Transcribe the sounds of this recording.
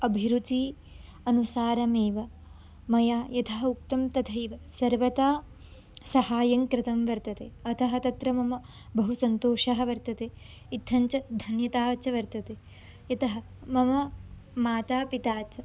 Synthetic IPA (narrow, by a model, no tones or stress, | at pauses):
ɐbʱiɾut̪i | ɐnusaːɾɐmeːʋɐ | mɐjaːjɐt̪ʰɐɦɐuk̚t̪ɐmt̪ɐd̪ʱɐjʋɐsɐɾʋɐt̪aː | sɐhaːjɐŋkɾɪt̪ɐmʋɐɾt̪ɐt̪eːɐt̪ʰɐɦɐt̪ɐt̪ɾɐmɐmɐ | bɐɦusɐnt̪oːʂɐɦɐ̆ʋɐɾt̪ɐt̪eː | it̪ʰːɐɲt͡ʃɐd̪ʱɐnjɐt̪aːt͡ʃɐʋɐɾt̪ɐt̪eː | jɐt̪ɐɦɐ | mɐmɐ | maːt̪aːpit̪aːt͡ʃɐ